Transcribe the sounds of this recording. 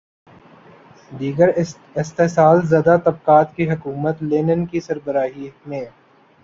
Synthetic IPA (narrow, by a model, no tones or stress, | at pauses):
d̪iːɡəɾ | ɪst̪eːsaːlzjaːd̪at̪ɐb̚qaːt̪kiɦɐkuːmət̪leːnənkisɐɾbəɾaːɦimẽː